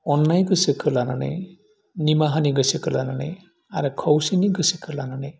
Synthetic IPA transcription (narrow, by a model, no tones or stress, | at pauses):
ɔnːajɡɯsɯkʰɯlananɯ̰j | nimaɦaniɡɯsɯkʰɯlanana̰j | aɾɯkʰɔwsiniɡɯsɯkʰɯlananaj